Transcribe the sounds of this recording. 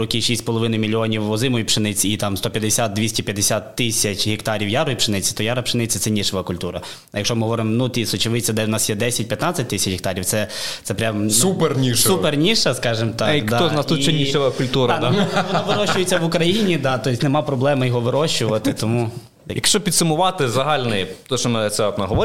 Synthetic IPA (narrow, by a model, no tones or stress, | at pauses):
ɾɔkiʃʲisʲpɔlˠɔʋɪnʊjmʲilʲːiɔnʲiwɔzɪmɔjipʃɪnɪt͡sʲiːt̪ɑmst̪ɔpʲjɐd̪ɪsʲat̪̚d̪ʲʋʲisʲtʲipʲjɐd̪esʲat̪ːɪsʲɐt͡ʃʲɦʲikt̪ɑɾʲiwjaɾɔjipʃɪnɪt͡sʲi̥t̪ɔjaɾɐpʃɪnɪt͡sʲit̪sɛnʲiʃɔʋɐkʊlʲt̪uɾɐ | jɐkʃɔmɪɦɔʋɔɾɪmɔnut̪ʲisɔt͡ʃɪʋɪt͡sʲɐd̪ɛwnɑsjɛd̪ɛsʲɐt̚ʲpʲjɐt̪nɑt͡sʲːɐt̚ʲt̪ɪsʲɐt͡ʃɦɪkt̪ɑɾʲiw̪sɛt̪sɛpɾʲamsupernʲiʃsupernʲiʃɐskɑʒɪmt̪d̪ɑɔznɑsut͡ʃɛnʲiɔʋɐkʊlʲt̪uɾɐnʋɔnɔʋɪɾɔʃʊjet͡sʲːɐʋʊkɾɐjinʲid̪ɑt̪ɔjisʲnemɑpɾɔblˠɛmɪjɔɦɔʋɪɾɔʃʊʋɐt̪ɪt̪ɔmu | jɐkʃt͡ʃɔpʲid̪sʊmʊʋɑt̪ɪzɐɦɑlʲnɔjit̪ɔʃt͡ʃɔmɛt̪sɛɔt̪nɐɦɔʋɔ